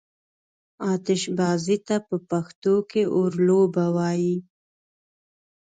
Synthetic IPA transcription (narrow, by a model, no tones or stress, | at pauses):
ɑt̪ɪʃbɑzit̪apəpaxt̪okeʔoɾlobawɑji